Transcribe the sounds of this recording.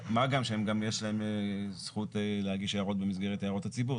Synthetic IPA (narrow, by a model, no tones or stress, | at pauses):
maɡamʃeemɡamjeʃlae̞msχut̪lehaɡiʃejaʁo̞t̚be̞mis̬ɡe̞ʁet̪ajaʁo̞tat͡sibuʁ